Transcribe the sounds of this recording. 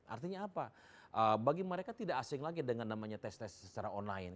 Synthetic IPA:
ʔa̰rt̪iɲaːpa | ʔəbaɡiməɾekat̪idaʔːsɪŋlaɡidəŋanːamaɲat̪ɛst̪ɛssət͡ʃaɾaɔnlaɪn

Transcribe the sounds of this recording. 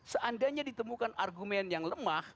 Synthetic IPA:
səʔandaɲadit̪əmukanarɡumɛnjaŋləmah

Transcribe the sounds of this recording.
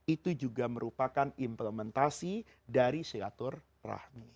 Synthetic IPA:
it̪ud͡ʒuɡaməɾupakanimpləmɛnt̪asi | daɾiseɡat̪ʊr | ra̰hmi

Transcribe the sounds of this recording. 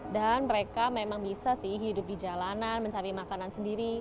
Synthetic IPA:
danməɾekamemaŋbisasɪhɦidʊp̚did͡ʒalananməɲt͡ʃapimakanansəndiɾi

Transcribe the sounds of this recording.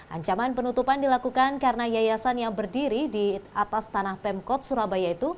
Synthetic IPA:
ʔa̰ɲt͡ʃamanpənut̪upandilakukankarənajajasanjaŋbərdiɾidiat̪ast̪anahpɛmkɔt̪̚suɾabajait̪u

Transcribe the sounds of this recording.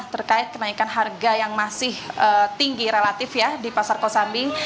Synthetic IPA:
ht̪ərkaɪt̪̚kənaikanɦarɡajaŋmasɪhət̪iŋɡiɾelat̪ɪfjadipasarkosambi

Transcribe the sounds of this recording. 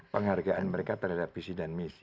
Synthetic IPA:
pəŋharɡaʔanməɾekat̪ərɦadapɾisidanmisi

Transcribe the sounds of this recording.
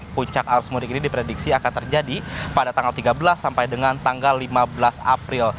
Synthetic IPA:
puɲt͡ʃak̚aɾusmuɾikinidipɾediksiakant̪ərd͡ʒadipadat̪aŋɡalt̪iɡabəlasːampajdəŋant̪aŋɡalːimabəlasa̰pɾɪl

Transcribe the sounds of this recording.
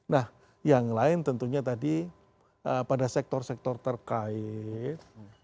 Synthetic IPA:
nah | jaŋlaɪnt̪ənt̪uɲat̪adi | əpadasɛk̚t̪ɔrsɛk̚t̪ɔrt̪ərkaɪt̪̚

